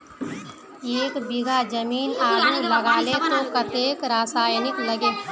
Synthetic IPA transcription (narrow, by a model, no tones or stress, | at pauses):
eːkbɪɡʱad͡ʒəmiːnaːdʱuləɡaːlet̪õkət̪eːkɾaːsaːjnɪkləɡeː